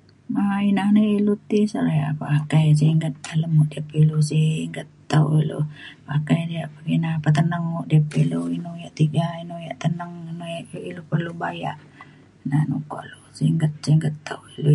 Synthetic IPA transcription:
ainahnəilut̪isaɾaja̰pakajs̬iŋɡət̪̚aləmːuʔdiapilusiŋɡət̪ːawʔilo̰pakajdiaʔpaɡinapat̪ənəŋuʔdiapiluinujaʔt̪iɡainujaʔt̪ənəŋnujaʔjoʔilupərlubaja̰ʔ | nanuko̰ʔlosiŋɡət̪̚siŋɡət̪ːa̰wilu

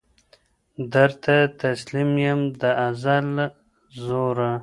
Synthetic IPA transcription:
d̪əɾt̪ʰat̪aslimjəmd̪əʔazal | zoɾa

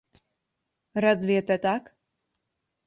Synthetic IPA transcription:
ɾazvʲiɛt̪ɛt̪ak

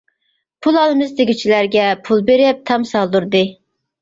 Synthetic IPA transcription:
pʰulˠɑlˠɨmɨzd̪eɪɡʲit͡ʃʰilæɾɡʲɛpʰulˠbeɾɪp̚t̪ʰɑmsɑlˠd̪uɾd̪ɨ

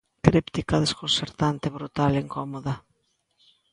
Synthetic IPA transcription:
kɾipt̪ikɐðeskonseɾt̪ant̪eβɾut̪aleŋkɔmoðɐ

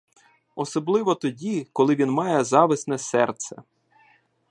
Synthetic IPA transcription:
ɔsɔblˠɪʋɔt̪ɔdʲikɔlˠɪʋʲinmɑjɛzɑʋɪsnɛsɛrt̪sɛ

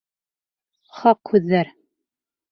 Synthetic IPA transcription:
χɑqhʉðːæɾ

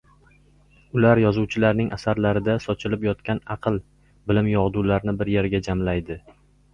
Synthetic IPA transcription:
ʊlaɾjɒzuwt͡ʃʰɪlaɾnɪŋʔasaɾlaɾɪd̪asɒt͡ʃʰɪlɪpjɒt̪kʲʰanɑqʰɨlˠ | bɪlɪmjɒʁd̪ulaɾnɪbɪɾje̞ɾɡʲad͡ʒamlajd̪ɪ

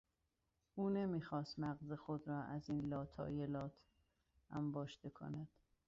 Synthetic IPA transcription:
ʔuːne̞miːxɒːst̪mæɣze̞xod̪ɾɒːʔæziːnlɒːt̪ʰɒ̰ːjelɒːt̪ʰ | ʔæmbɒːʃd̪e̞kʰo̰næd̪̥

